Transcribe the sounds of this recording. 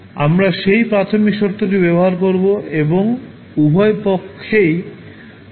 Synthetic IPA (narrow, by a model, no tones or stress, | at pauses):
amɾaʃejpɾat̪ʰomikʃoɾt̪ʰːoʈibɛboɦaɾkoɾboeboŋ | ubʱɔepokʰːej